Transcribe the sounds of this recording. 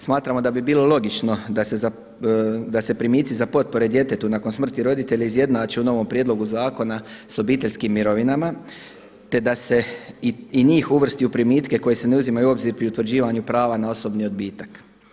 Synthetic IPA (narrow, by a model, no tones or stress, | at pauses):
smaːt̪ɾamo̞d̪abibiːlˠo̞lˠo̞ɡit͡ʃno̞d̪ase̞za | d̪ase̞pɾimiːt̪sizapo̞t̪̚po̞ɾe̞d̪je̞t̪e̞t̪unakonsmr̩t̪iɾo̞d̪it̪e̞ʎeizje̞d̪naːt͡ʃeuno̞ʋo̞mpɾje̞d̪lo̞ɡuzaːko̞naso̞biːt̪e̞ʎʲskimːiɾoʋinama | t̪e̞d̪ase̞iiɲiːxuʋr̩st̪iupɾimiːt̪ke̞ko̞jese̞ne̞uzimajuo̞bziɾpɾiut̪ʋr̩d͡ʑiːʋaɲupɾaːʋanao̞so̞bnio̞d̪biːt̪ak